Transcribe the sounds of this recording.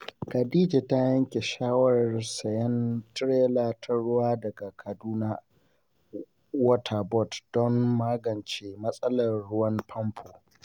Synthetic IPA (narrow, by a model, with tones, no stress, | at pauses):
kɐ˨diː˦d͡ʒe˨ta˦jɐ˦ŋkʲe˨ʃaː˦wɐ˦ɾɐ˨rsɐ˨jɛ˦ntɾeː˦laː˨tʰɐ˦ɽʊ˦waː˦dɐ˨ɡa˨kʰɐ˨duː˦naː˦ | wɐ˦tʰa˨bɔ˦˨td̥ɔ˦mːaː˦ɡɐ˨nt͡ʃe˨mɐ˦sʼɐ˦lɐ˨rːʊ˦wɐ˦mpʰɐ˦mpʰo˨